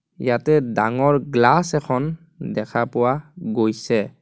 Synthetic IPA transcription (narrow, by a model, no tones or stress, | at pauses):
jatɛdaŋɔɹɡlasɛkʰɔn | dɛkʰapʊwaɡojsɛ